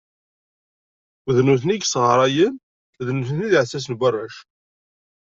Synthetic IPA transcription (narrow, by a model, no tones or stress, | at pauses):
ðnuθniɡsʁɾˤɑjən | ðnuθənniðʕsːæs̬ənbʷərːæʃ